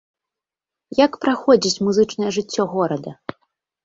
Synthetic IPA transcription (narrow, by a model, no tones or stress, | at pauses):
jakpɾaxɔd͡zʲit͡sʲmuzɨt͡ʂnɐjɛʐɨt͡sʲːɔɣɔɾɐd̪ɐ